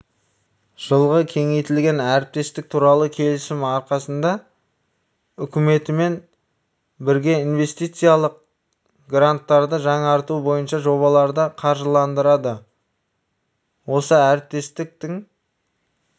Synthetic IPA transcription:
ʒ̥əlˠʁəkʲʰe̞ŋe̞jt̪ɪlɡʲe̞næɾɪp̚t̪e̞st̪ɪk̚t̪ʰuɾɑlˠəkʲʰe̞lɪsɪmɑɾqɑsənd̪ɑ | ʏkʲɪme̞t̪ɪme̞n | bɪɾɡʲe̞inve̞st̪ijt̪sɨjalˠəq̚ | ɡrant̪ːɑɾd̪əʒɑɴɑɾt̪ubo̞jənʃɑʒo̞βɑlˠɑɾd̪əqʰɑɾʒəlˠɑnd̪əɾɑd̪ə | wo̞səæɾɪp̚t̪e̞st̪ɪk̚t̪ɪŋ

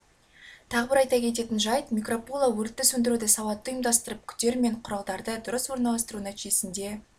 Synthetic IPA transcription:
t̪ʰɑʁəbɪɾɑjt̪ɑkʲʰe̞t̪e̞t̪ɪnʒɑjt̪mʲikro̞polˠawɵɾt̪ːɪsɵnd̪ɪɾud̪ɪsɑwɑt̪ːəʊjəmd̪ɑst̪əɾəp̚kʲʰʏ̥t̪ːe̞ɾme̞ɴqʰʊɾɑlˠd̪ɑɾd̪əd̪ʊɾəswoɾnɑlˠɑst̪əɾunæt̪ijesɪnd̪e̞

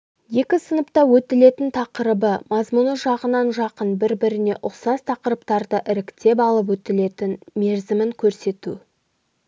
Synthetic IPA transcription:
je̞kʲɪsənəpt̪ɑwɵt̪ɪle̞t̪ɪnt̪ʰɑqəɾəbəmɑzmunəʒɑʁənɑnʒɑqənbɪɾbɪɾɪne̞ʔʊqsɑzt̪ʰɑqəɾəpt̪ɑɾd̪əʔɪɾɪkt̪e̞p̬ɑlˠəp̬wɵt̪ɪle̞t̪ɪnme̞ɾzɪmɪŋkʲʰɵɾse̞t̪u

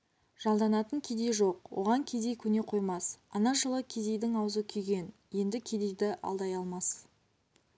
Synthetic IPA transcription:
ʒ̥ɑlˠd̪ɑnɑt̪əŋkʲʰed̪e̞jʒo̞qwo̞̰ʁɑŋkʲʰe̞d̪e̞jkʲʰɵne̞qʰo̞jmɑsɑnɑʒəlˠəkʲʰe̞d̪e̞jd̪ɪŋɑwzəkʲʰʏjɡʲe̞n | je̞nd̪ɪkʲʰe̞d̪e̞jd̪ɪʔɑ̰lˠd̪ɑjɑlˠmɑs

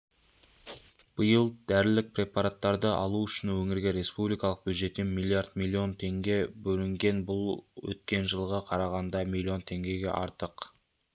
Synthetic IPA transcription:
b̥əjəlˠd̪̥æɾɪlɪk̚pɾʲe̞pɑɾat̪ːɑɾd̪əʔɑ̰lˠuʏʃɪnwɵŋɪɾɡʲe̞ɾe̞spublijkɑlˠəq̚b̥jud̪ʒe̞t̪ːenmilʲˠːiaɾd̪mʲilʲːio̞nt̪ʰe̞ŋɡʲe̞bɵlɪŋɡʲe̞nbʊlˠwɵ̰t̪kʲe̞nʒəlˠʁɑqʰɑɾɑʁɑnd̪ɑmilʲːio̞nt̪ʰe̞ŋɡʲe̞ɡʲe̞̰ʔɑɾt̪əq

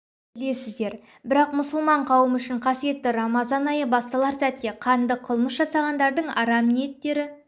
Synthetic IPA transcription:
b̥ɪle̞sɪzd̪e̞ɾ | bɪɾɑqmʊsəlˠmɑɴqʰɑwəmʏʃɪɴqʰɑsije̞t̪ːɪɾɑmɑzɑnɑjəbɑst̪ɑlˠɑɾsæt̪ːe̞qʰɑnd̪əqʰəlˠməsʒɑsɑʁɑnd̪ɑɾd̪əɴɑ̰ɾɑmnejet̪ːe̞ɾɪ

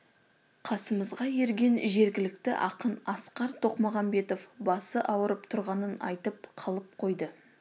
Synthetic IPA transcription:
qʰɑsəməzʁɑje̞ɾɡʲe̞nʒe̞ɾɡʲɪlɪk̚t̪ɪ̰ʔɑqənɑsqɑɾt̪ʰo̞qmoʁɑmbe̞t̪o̞fbɑsəʔɑwəɾəpt̪ʰʊɾʁɑnənɑ̰jt̪əp̚qʰɑlˠəp̚qʰo̞jd̪ə

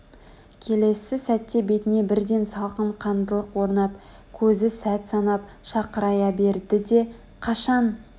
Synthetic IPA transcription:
kʲʰe̞le̞sɪsæt̪ːe̞be̞t̪ɪne̞bɪɾd̪e̞nsɑlˠqəɴqʰɑnd̪əlˠəqwo̞ɾnɑp | kʲʰɵzɪsæt̪sɑnɑp | ʃɑqəɾɑjɑbe̞ɾd̪ɪd̪e̞ | qʰɑʃɑn

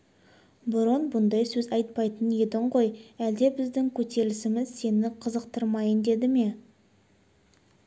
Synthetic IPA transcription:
bʊɾonbʊnd̪ɑjsɵzɑjt̪̚pɑjt̪ənje̞d̪ɪɴqo̞jæld̪e̞bɪzd̪ɪŋkʲʰɵt̪ʰe̞lɪsɪmɪzse̞nɪqʰəzəqt̪əɾmɑjənd̪e̞d̪ɪme̞

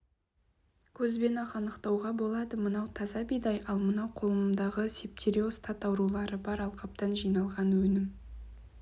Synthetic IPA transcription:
kʲʰɵzbe̞nɑqɑnəqt̪ɑwʁɑbo̞lˠɑd̪əmənɑwt̪ʰɑzɑbijd̪ɑjʔɑlˠmənɑwqʰo̞lˠəməmd̪ɑʁəsep̚t̪ʰʲeɾʲio̞st̪at̪ɑwɾulˠɑɾəbɑɾɑlˠqɑp̚t̪ɑnʒijnɑlˠʁɑnwɵnɪm

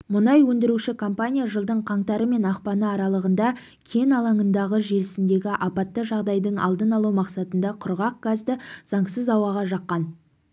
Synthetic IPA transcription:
mʊnɑjwɵnd̪ɪɾuʃɪkʰompanʲijaʒəlˠd̪əɴqʰɑɴt̪ɑɾəme̞nɑqpɑnəɑɾɑlˠəʁənd̪ɑ | kʲʰe̞nɑlˠɑɴənd̪ɑʁəʒe̞lɪsɪnd̪e̞ɡʲɪʔɑpɑt̪ːəʒɑʁd̪ɑjd̪əɴɑ̰lˠd̪ənɑlˠumɑqsɑt̪ənd̪ɑqʰʊɾʁɑq̚ɡ̥azd̪əz̥ɑɴsəzɑwɑʁɑʒɑqːɑn

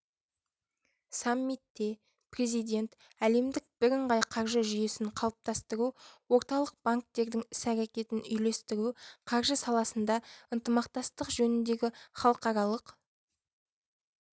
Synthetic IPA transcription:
sɑmːit̪ːe̞ | pre̞zijd̪ʲe̞nt̪ | æle̞md̪ɪk̚b̥ɪɾəɴʁɑjqʰɑɾʒəʒʏje̞sɪɴqʰɑlˠəp̚t̪ɑst̪əɾuwo̞ɾt̪ɑlˠəq̚b̥aŋk̚t̪e̞ɾd̪ɪŋʏsæɾekʲe̞t̪ɪnʏjle̞st̪ɪɾuqʰɑɾʒəsɑlˠɑsənd̪ɑənt̪əmɑqt̪ɑst̪əqʒɵnɪnd̪e̞ɡʲɪχɑlˠəqɑɾɑlˠəq

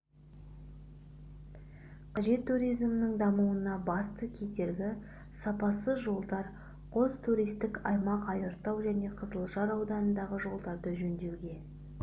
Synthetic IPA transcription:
qʰɑʒe̞t̪ʰːuɾijzmnɪŋd̪ɑmuwənɑbɑst̪əkʲʰe̞t̪e̞ɾɡʲɪ | sɑpɑsəzʒo̞lˠd̪ɑɾ | qʰo̞zt̪ʰuɾijst̪ɪkɑjmɑqɑjəɾt̪ɑwʒæne̞qʰəzəlˠʃɑɾɑwd̪ɑnənd̪ɑʁəʒo̞lˠd̪ɑɾd̪əʒɵnd̪e̞wɡʲe̞

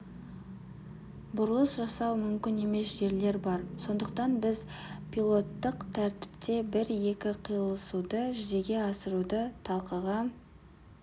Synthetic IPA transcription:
bʊɾlˠəsʒɑsɑwmʏmkʲɪne̞me̞sʒe̞ɾle̞ɾbɑɾso̞nd̪əq̚t̪ɑnbɪzpʰʲilˠo̞t̪ːəqt̪ʰæɾt̪ɪ̥pt̪e̞bɪɾje̞kʲɪqʰijəlˠəsud̪əʒʏze̞ɡʲe̞ɑsəɾud̪ət̪ʰɑlˠqɑʁɑ

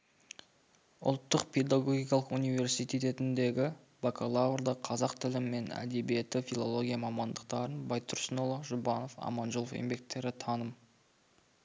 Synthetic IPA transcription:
ʊ̰lˠt̪ːəqpʰe̞d̪aɡo̞ɡʲijkɑlˠəqunijve̞ɾsijt̪ijt̪e̞t̪ɪnd̪e̞ɡʲɪ | vakʰolˠaurd̪ɑqʰɑzɑqt̪ʰɪlɪmːe̞næ̰d̪e̞bije̞t̪ɪfʲilˠo̞lˠo̞ɡʲijamɑmɑnd̪əq̚t̪ɑɾənbɑjt̪ʰːʊɾsənolˠoʒʊbɑno̞fɑ̰mɑnʒolˠofḛmbe̞k̚t̪ːe̞ɾɪt̪ʰɑnəm

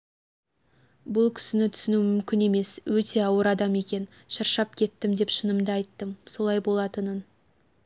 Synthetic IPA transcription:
bʊlˠkʲʰʏ̥sɪnɪt̪ʰʏ̥sɪnumʏmkʲɪne̞me̞swɵt̪e̞ɑwəɾɑd̪ɑme̞kʲe̞n | ʃəɾʃɑp̚kʲʰe̞t̪ːɪmd̪e̞pʃənəmd̪əɑjt̪ːəmso̞lˠɑjbo̞lˠɑt̪ənən

